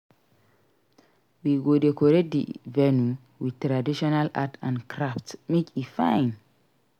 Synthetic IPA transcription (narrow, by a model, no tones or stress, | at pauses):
wiɡodekɔɾedḭvɛnu | witɾadiʃɔnala̰tʰãnkɾaftmikifãjn